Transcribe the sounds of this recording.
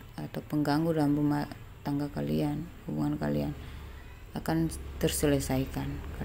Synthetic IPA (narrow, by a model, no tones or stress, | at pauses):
at̪awpəŋɡaŋɡudalamruma | t̪aŋɡakalianhubuŋanka̰lian | akant̪ərsələsaikanka